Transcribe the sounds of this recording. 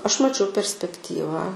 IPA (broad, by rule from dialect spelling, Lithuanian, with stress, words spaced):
ˈɐʃ ˈmɑːt͡ʃʲɛʊ pʲɛrʲsʲpʲɛkˈtʲiːʋɐ